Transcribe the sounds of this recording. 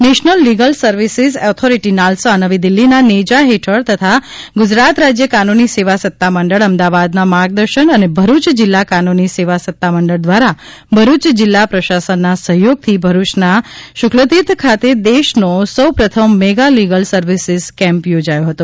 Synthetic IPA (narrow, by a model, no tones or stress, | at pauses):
neʃnəlːiɡəlsəɾʋisizɔt̪ʰoɾiʈinalsʋanəʋid̪ɪlːinaned͡ʒaɦeʈʰəɭt̪ət̪ʰa | ɡʊd͡ʒɾat̪ɾad͡ʒjəkanuniseʋasət̪ːaməɳɖəɭəmd̪aʋad̪namaɡ̚d̪əɾʃənənebʱəɾut͡ʃd͡ʒɪlːakanuniseʋasət̪ːaməɳɖəɭd̪ʋaɾa | bʱəɾut͡ʃd͡ʒɪlːapɾəʃasənːasəɦjoɡ̚t̪ʰibʱəɾut͡ʃnaʃʊklət̪it̪kʰat̪ed̪eʃnosəwpɾət̪ʰəmːeɡaliɡəlsəɾʋisɪzkɛ̃mpjod͡ʒajoɦət̪o